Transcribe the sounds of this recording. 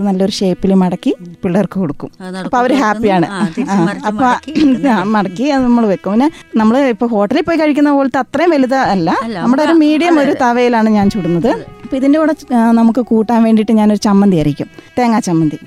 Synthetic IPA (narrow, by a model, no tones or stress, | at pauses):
nɐlːɐo̞ɾuʂeːpːilumɐɽɐkːipiɭːɐrkɨkoɽukːumɐpːoːɐʋɐɾɨɦaːpːijaːɳɨ̰aːɐpːoaːmɐɽɐkːiɐnɐmːɐɭʋekːumɐpinːenɐmːɐɭipːoːho̞ːʈːɐlilpːoːjikɐɻik̬ʲːunːɐpoːlɐt̪ːɐt̪rɐjumʋɐluðɐːlːɐnɐmːuɽeoɾumiːɽijɐmo̞ɾut̪ɐʋɐjilaːɳɨɲaːnt͡ɕuːɽunːɐðɨɐpːoiðindeuɽɐnɐmukːɨkuːʈːaːnʋe̞ːɳɖiʈːɨɲaːno̞ɾut͡ɕɐmːɐnd̪ijɐrikʲːṵmt̪eːŋːaːt͡ɕɐmːɐnd̪i